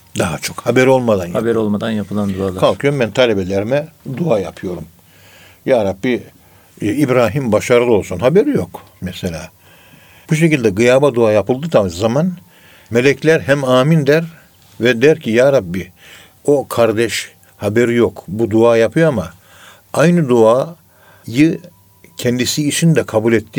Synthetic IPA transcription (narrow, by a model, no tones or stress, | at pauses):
d̪aɦat͡ʃʰo̞khabɛɾo̞lˠmad̪anhabɛɾolˠmad̪anjapʰɯlˠand̪ualˠkʰalˠkʰɯjoɾumbɛnt̪ʰalʲebelʲeɾimɛd̪uaːjapʰɯjo̞ɾum | jaːɾabːi | ibɾaːɦimbaʃaɾɯlˠɯo̞lˠsunɦabeɾijo̞k | mɛselʲaː | buʃ̬ecilʲd̪ɛɡɯjaːbad̪uaːjapɯlˠd̪ɯt̪ʰazzaman | me̞lʲɛclʲæɾɦæmaːmind̪æɾ | vɛd̪æɾcʰijaːɾabːi | o̞kʰaɾd̪ɛʃ | habeɾijo̞kbud̪uaːjapʰɯjoama | ajnɯd̪uaː | jɯ | cʰɛnd̪isiːt͡ʃʰind̪ɛkʰabulʲɛt̪ʰːi